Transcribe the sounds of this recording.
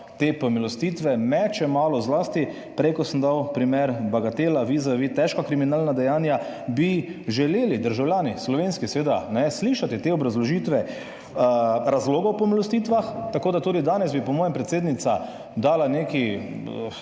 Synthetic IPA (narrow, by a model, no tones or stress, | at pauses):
t̪epɔmilɔst̪it̪ʋɛmɛt͡ʃɛmaːlɔzlast̪i | pɾɛjkɔsəmd̪awpɾimɛɾbaɡat̪eːlaʋizaʋit̪ɛʃkakɾiminaːlnad̪ɛjaːnja | biʒɛleːlid̪əɾʒawlʲjaːnislɔʋenskisɛʋeːd̪anɛsliːʃat̪it̪eɔbɾazlɔʒit̪ʋɛ | ɾazloːɡɔwpɔmilɔst̪iːt̪ʋaxt̪akoːd̪at̪uːd̪id̪aːnɛzbipɔmɔːjɛmpɾɛt̪seːd̪nit̪sa | d̪aːlaneki